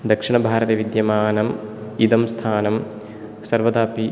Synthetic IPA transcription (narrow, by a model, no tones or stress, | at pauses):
d̪ɐkʂiɳɐbʱaːɾɐt̪ɐʋid̪jɐmaːnɐmid̪ɐmst̪ʰaːnɐm | sɐɾʋɐd̪aːpi